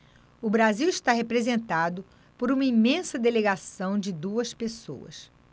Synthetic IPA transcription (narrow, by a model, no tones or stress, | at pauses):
ʊbɾaziwiʃt̪aɦepɾezẽnt̪ad̪ʊ | poɾũmɐimẽsɐd̪eleɡasɐ̃w̃d͡ʒɪd̪uɐspeso̰wɐ̰s